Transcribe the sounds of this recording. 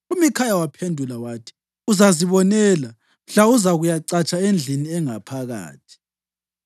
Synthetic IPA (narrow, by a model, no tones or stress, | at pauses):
umikʰajawapʰendʱulawatʰi̥ | uzaziβɔnɛla | m̩ɬauzaɣujaǀat͡ʃʼaend͡ɮʱiniɛŋapʰaɣa̰ːtʰi̥